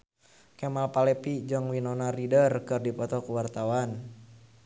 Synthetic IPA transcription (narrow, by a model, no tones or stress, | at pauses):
kɛmalpalɛpid͡ʒaŋwinɔnaridərkɨrdipɔt̪ɔkuwart̪awan